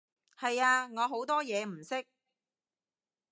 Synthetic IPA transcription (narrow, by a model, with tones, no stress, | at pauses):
hɐ˨jaː˧ŋɔː˨˧ɦo˨˥wt̪ɔː˥jɛː˨˧m̩˨˩sɪ˥k̚